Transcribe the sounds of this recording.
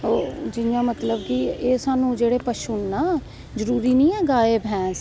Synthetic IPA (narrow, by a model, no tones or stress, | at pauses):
oːd͡ʒɪjãːmət̪ləbkieːsaːnũːd͡ʒeːɽeːpəʃuːnːaː | zəɾuːɾiːnĩːɛːɡaːeːbʱɛ̃ːs